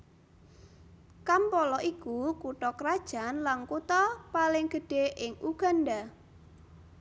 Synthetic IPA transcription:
kampɔlɔʔikukuʈɔkɾad̥ʒ̥a̤nlankut̪ɔpalɪŋɡ̥ə̤ɖ̥eʔɪŋʔuɡ̥a̤nɖa

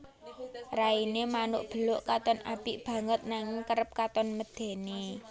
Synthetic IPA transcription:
rainemanʊʔb̥ə̤lʊʔkat̪ɔnʔapɪʔb̥a̤ŋət̪̚naŋɪŋkəɾəp̚kat̪ɔnməd̪̥e̤ne

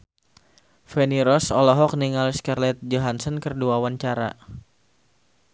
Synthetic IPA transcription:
feniɾɔsɔlɔɦɔk̚niŋaliskarlɛt̪̚d͡ʒɔɦansɔnkərduawaɲt͡ʃaɾa̰

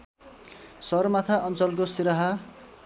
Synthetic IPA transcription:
sʌrmat̪ʰaʔʌnt͡sʌlk̬osiɾʌɦa

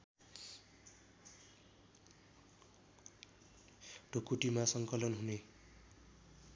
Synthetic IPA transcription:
ɖʱokuʈimasʌŋkʌlʌnɦune

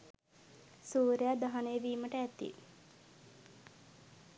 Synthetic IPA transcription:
suːɾejad̪aɦanejəʋiːməʈəæt̪ḭ

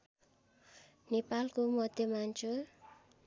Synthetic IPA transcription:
nipalkumɔd̪̥emaɲt͡ʃʊr

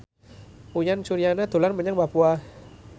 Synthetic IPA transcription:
ujansuɾianad̪̥o̤lanməɲaŋbapua

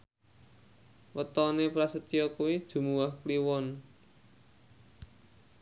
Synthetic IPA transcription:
wət̪ɔnepɾasət̪ijɔkuwid̥ʒ̥ṳmuwahkliwɔn

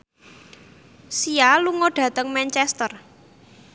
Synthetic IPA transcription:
sialuŋoɖ̥ä̤t̪əŋmɛnt͡ʃɛst̪ər

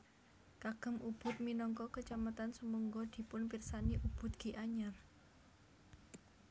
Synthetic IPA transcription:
kaɡ̥ə̤mʔub̥ʊ̤t̪̚minɔŋkɔkət͡ʃamat̪ansəmuŋɡod̪̥i̤pʊnpirsaniʔub̥ʊ̤t̪̚ɡ̥i̤ʔaɲar

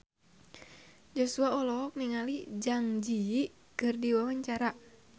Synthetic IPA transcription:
d͡ʒɔsuaɔlɔɔk̚niŋalid͡ʒaŋd͡ʒi | kɨrdiwawaɲt͡ʃaɾa

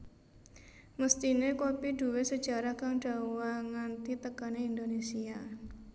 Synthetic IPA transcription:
məst̪inekopidṳwesəd̥d͡ʒ̥a̤ɾahkaŋɖ̥a̤waŋant̪it̪əkaneind̪onesia

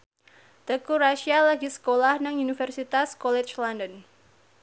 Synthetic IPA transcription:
t̪əkuɾaʃialaɡisə̥kolahnaŋunifɛrsit̪askɔlɛt͡ʃlɔndən

